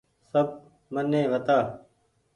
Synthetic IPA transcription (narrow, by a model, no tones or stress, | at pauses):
səb̚ | mənːẽːʋət̪aː